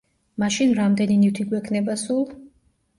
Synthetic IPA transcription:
maʃinɾamd̪ɛninit̪ʰiɡwɛkʰnɛbasulˠ

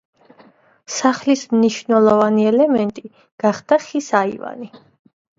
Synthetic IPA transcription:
saχlismniʃvnɛlˠɔvaniɛlɛmɛnt̪ʼi | ɡ̥aχd̪̥aχisaḭva̰ni

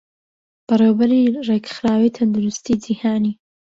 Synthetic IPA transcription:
b̥ɐrewbɐɾirekxɾaːwit̪ʰɐnd̪ʊɾʊst̪id͡ʒihaːni

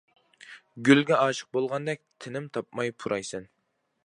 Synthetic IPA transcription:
ɡʲylɡʲɛɑːʃə̥q̚bolˠʁɑnd̪ɛk̚ʲt̪ʰɪnɪmt̪ʰɑpmɑjpʰuɾʔɑjsɛn

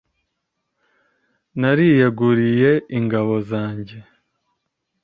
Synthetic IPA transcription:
naɾijeɡuɾije̞iŋɡaβo̞zaːɲɟe̞

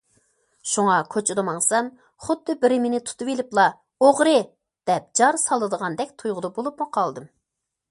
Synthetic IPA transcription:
ʃuŋɑkʲʰøt͡ʃʰɪd̪ɨmɑŋsɑn | χʊd̪ːɨbɪɾɪmenɪt̪ʰu̥t̪ʰɨvelɪplˠɑ | oʁɾɨ | d̪̥ɛp̚d͡ʒɑɾsɑlˠːɨd̪əʁɑnd̪ɛkʲt̪ʰujʁʊd̪ɑbolˠupmuqʰɑlˠd̪ɨm

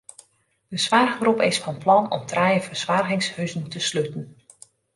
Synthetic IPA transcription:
dəsʋarɣəbrupɪsfɑnplɑnɔ̰mtʰrajəvəɹsʋaːrɣɪŋshøɥzəntəsløtən

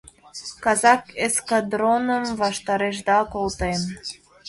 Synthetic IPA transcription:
kɑzɑkeskad̪ɾonəmvɑʃt̪ɑɾeʃd̪ɑkolˠt̪em

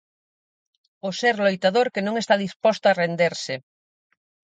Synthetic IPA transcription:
ʊseɾlojt̪aðoɾkenõŋest̪aðispɔst̪ʊarend̪eɾsɪ

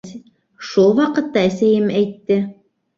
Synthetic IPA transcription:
ʃulˠwɑqɤ̆t̪ːɑɘ̆sæjɘmæjt̪ːɘ

